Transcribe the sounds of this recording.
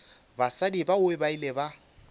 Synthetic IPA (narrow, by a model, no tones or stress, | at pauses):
basadibaʊɪbaileba